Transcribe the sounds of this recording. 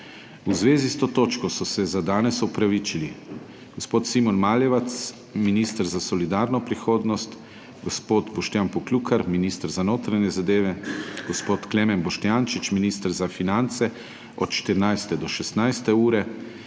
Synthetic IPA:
uzʋeːzist̪oːt̪oːt͡ʃkɔsɔsɛzad̪aːnɛsɔpɾaʋit͡ʃili | ɡ̥ospoːt̪simɔnmaːljɛʋat̪s | minist̪əɾzasɔlid̪aːɾnɔpɾixoːd̪nɔst̪ | ɡɔspoːt̪bɔʃt̪janpɔkluːkaɾminist̪əɾzanoːt̪ɾaɲɛzad̪eːʋɛɡ̥ɔspoːt̪klɛmɛnbɔʃt̪jaːnt͡ʃit͡ʃminiːst̪əɾzafinant̪sɛ | ɔt̪ʃt̪əɾnajst̪ɛd̪ɔʃɛst̪najst̪ɛuːɾɛ

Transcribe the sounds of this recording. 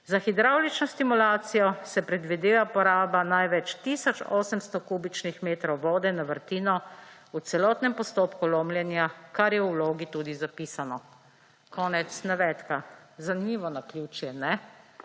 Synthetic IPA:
zaxid̪ɾawlit͡ʃnɔst̪imulaːt̪sijɔsɛpɾɛd̪ʋid̪eːʋapɔɾaːbanajʋɛt͡ʃt̪iːsɔt͡ʃɔːsəmst̪ɔkuːbit͡ʃnixmeːt̪ɾɔwʋɔːd̪ɛnaʋəɾt̪iːnɔ | ut̪sɛlɔːt̪nɛmpɔst̪oːpkuloːmljɛnjakaɾjɛwloːɡit̪uːd̪izapiːsanɔ | kɔːnɛt̪snaʋɛt̪kazanimiːʋɔnakljuːt͡ʃjɛnɛ

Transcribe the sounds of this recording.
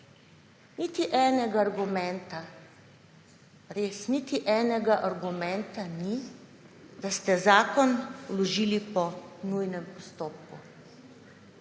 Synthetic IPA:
nit̪iʔɛːnɛɡaːɾɡumɛnt̪a | ɾeːsnit̪iʔɛːnɛɡaʔaɾɡumɛnt̪ani | d̪ast̪ɛzaːkɔnwlɔʒiːlipɔnujnɛmpɔst̪oːp̚kṵ

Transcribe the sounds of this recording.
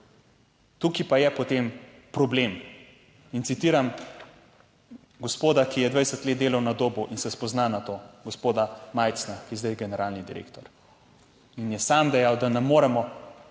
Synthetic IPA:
t̪uːkipajɛpɔt̪em | pɾɔblem | int̪sit̪iːɾam | ɡospoːd̪akijɛd̪vʋajsət̪leːt̪̚d̪eːlawnad̪oːbuʔinsɛspɔznanat̪oːɡospoːd̪amaːjt̪snakijɛzd̪ajɡɛnɛɾaːlnid̪iɾḛkt̪ɔɾ | injɛsaːmd̪ɛjawd̪anɛmːoːɾɛmɔ

